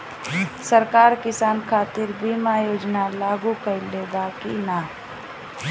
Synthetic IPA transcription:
səɾkaːɾkɪsaːnkʰaːt̪ɪɾbʱimaːjoːd͡ʒnalaːɡukəɾileːɡakina

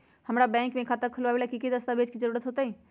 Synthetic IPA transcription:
həmɾabɛ̃ːŋkmẽkʰaːt̪əkʰʊlabeːlakikid̪əst̪abeːd͡ʒkizəɾuːɾət̪ɦoːt̪aɦɛː

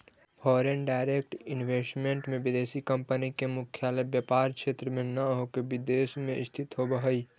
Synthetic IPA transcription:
fʰɔːɾenɖaːɪɾek̚ʈɪnʋeːsʈmẽɳʈmẽbɪd̪eːsikəmpənikemʊkʰjaːləbjəpaːɾkʃeːt̪ɾəmẽnəɦokebɪd̪eːsmẽɪ̰st̪ʰɪt̪ɦobəɦəi

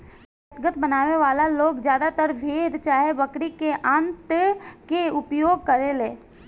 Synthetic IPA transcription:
ət̪ɡət̪bənaːʋeʋaːlaloːɡd͡ʒjaːd̪at̪əɾbʱeɾt͡ʃaːɦebəkɾikeʔãːnt̪keʊpjoːɡ̚kəɾeleː

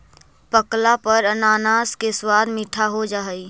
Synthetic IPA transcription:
pəklapəɾənaːnaːskeswaːd̪miʈʰaɦod͡ʒaɦəi

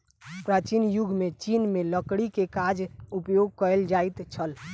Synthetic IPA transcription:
pɾat͡ʃinjuɡʱmet͡ʃinmeləkɽikekad͡ʒupjoɡkəeld͡ʒajt̪t͡ʃʰəl

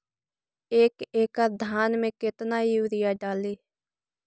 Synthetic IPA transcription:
eːkeːkad̪ʱaːnmẽːkɪt̪naːiːuːɾɪjaːɖaːliː

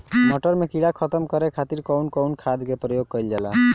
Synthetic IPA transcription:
nɔʈəɾmekiɽakʰət̪əmkəɾekʰat̪iɾkɔwnkɔwnkʰad̪kepɾɔjoɡ̚kəld͡ʒɛla̰

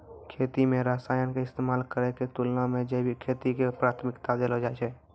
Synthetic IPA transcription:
kʰeːt̪imẽɾaːsaːjənkeɪst̪eːmaːlkəɾeket̪ulnamẽd͡ʒebʱikʰeːt̪ikepɾaːt̪ʰmɪkt̪ad̪eːlɦod͡ʒaɛt͡ʃʰɛː

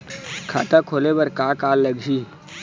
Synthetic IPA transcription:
kʰa̰ːt̪akʰoːlebɐɾkaːkaːlːɐɡd͡ʒiː

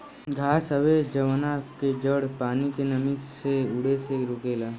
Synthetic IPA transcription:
ɡʱaːsəʋed͡ʒəʋnaked͡ʒəɽpaːnikenəmɪsseʊɽeseɾʊːkeːlaː

